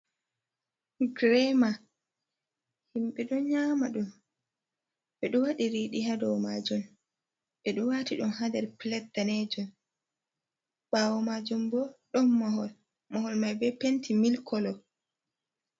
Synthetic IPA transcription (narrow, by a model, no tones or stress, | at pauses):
ɡɾɛma | himɓɛɗɔɲaːmaɗum | ɓɛɗɔwaɗiɾiɗiɦadɔwmad͡ʒum | ɓɛɗunwatiɗunhad̪ɛɾpilɛtːanɛd͡ʒɔn | bawɔmad͡ʒumbɔɗɔnːɔɦɔl | mɔɦɔlmajbɛpentʰimilkʰɔlɔ